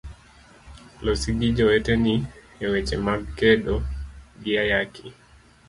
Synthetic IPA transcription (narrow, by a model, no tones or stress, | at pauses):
lɔsiɡid͡ʒɔɛtɛni | ɛwɛt͡ʃɛmabkɛɗɔɡiajakʰi